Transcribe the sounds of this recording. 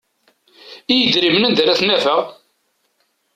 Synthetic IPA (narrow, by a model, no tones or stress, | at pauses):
ijəd̪ɾimənænd̪æɾæθnːæfæʁ